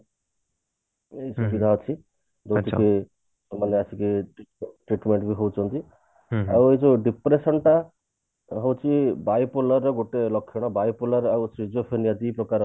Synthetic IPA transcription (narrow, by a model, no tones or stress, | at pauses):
esɔkid̪ʱat͡ʃʰi | d͡ʒɔt̪ʰike | sɔmːanjeasikeʈʈɾiʈmeɳʈbiɦɔwt͡ʃʰɔnt̪i | a̰wed͡ʒuɖipɾesɔnʈa | ɦɔwt͡ʃʰibajpolɔɾːɔɡoʈelɔkʰːjɔɽ̃ɔbajpɔlaɾawsɾid͡ʒopʰenijad̪ipɾɔkaɾ